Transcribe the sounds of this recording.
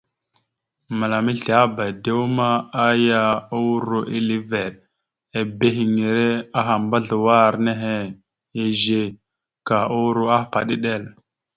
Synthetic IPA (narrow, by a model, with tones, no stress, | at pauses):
ma˨la˨mi˦ɬa˦ba˨jde˦wu˦ma˦a˦ja˦u˦wɾo˦ʔi˦li˦ve˨ɗ̚ | e˨be˦ɦi˨ŋi˨ɾe˦a˦ɦa˨mba˦ɮə˨wa˦˨ɾne˦ɦe˦ | e˨ʒe˦ | ka˨u˦wɾu˦a˦pa̰˨ɗe˦ɗe˦˨l